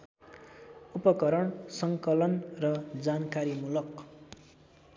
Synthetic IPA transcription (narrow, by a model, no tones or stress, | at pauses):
upʌkʌɾʌɳsʌŋkʌlʌnrʌd͡zankaɾimulʌk